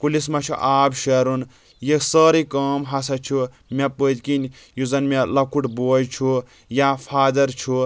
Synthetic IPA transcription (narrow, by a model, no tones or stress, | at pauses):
kulismɐt͡ʃʰuʔaːbʃeɾun | jisəːɾikɐːmɦasɐt͡ʃʰu | mepəd̪kin | juzɐnmelɐkʰuʈboːjt͡ʃʰu | japʰaːd̪ɐɾt͡ʃʰu